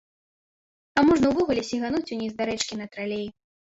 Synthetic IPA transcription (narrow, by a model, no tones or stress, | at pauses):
amɔʐnɐwvɔɣulʲɛsʲiɣanut͡sʲunʲizd̪aɾɛt͡ʂkʲinɐt̪ɾalʲej